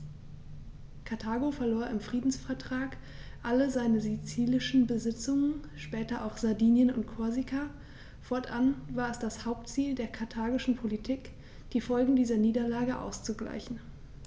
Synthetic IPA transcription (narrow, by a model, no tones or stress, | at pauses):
kʰaɐtʰaːɡofɛɐloːɐʔɪmfʁ̥iːdn̩sfɛɐtʁ̥aːk | ʔaləzaɪnəzit͡siːlɪʃn̩bəzɪt͡sʊŋən | ʃpɛːtɐʔaʊxz̥aɐdiːnjənʊ̰ntkʰɔɐzikʰa | fɔɐtʰʔanvaːɐɛsd̥ashaʊp̚tt͡siːldeːɐkʰaɐtʰaːɡɪʃn̩pʰolitʰiːk | d̥iːfɔlɡŋ̩diːzɐniːdɐlaːɡəʔa̰ʊst͡suɡla̰ɪçn̩